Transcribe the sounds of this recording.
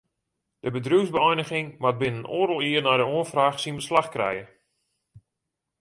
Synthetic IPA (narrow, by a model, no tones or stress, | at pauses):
d̥əbədruwzbəɔjnəɣɪŋmat̚bɪnənoːɾəlˠiərnajdəuənfraːxsinbəslaxkrɛ̰jə